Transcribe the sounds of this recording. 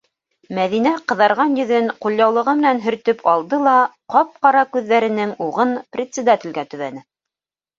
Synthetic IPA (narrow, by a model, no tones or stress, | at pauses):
mæðinæqɤ̆ðɑɾʁɑnjɵ̆ðɘnqulʲˠjɑwlˠɤ̆ʁɤmɘ̆nænɦɵ̆ɾt̪ɵpʰɑlˠd̪ɤlˠɑqɑp̚qɑɾɑkʉðːæɾɘ̆nɘŋuʁɤnprʲɪt̪sʲɪd̪at̪ʲɪ̆lɡæt̪ɵ̆βænɘ